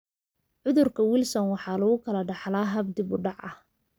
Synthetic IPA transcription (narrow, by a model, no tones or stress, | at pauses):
ʕʊðʊrkʰɐwɪlsɔnwɑħɑːlɐɣʊkʰɐlɐɖɑħlaːɦɐb̚d̪ɪbʊɖɑʕɐh